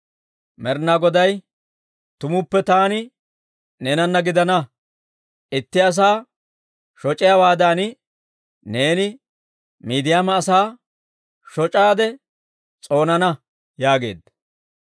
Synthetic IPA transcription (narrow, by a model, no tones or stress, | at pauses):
mɛɾnaːɡɔd̪ɐj | t̪ʊmʊpːɛt̪aːnɪ | nenɐnːɐɡɪd̪ɐnɐ | ɪt̪ːɪɐs̬aː | ʃɔt͡ʃʼɪjawaːd̪aːnɪ | ne̞ːnɪ | miːd̪ɪjaːmɐːsaː | ʃɔt͡ʃʼaːd̪ɛ | t͡sʼo̞ːnɐnɐ | jaːɡe̞ːd̪ɐ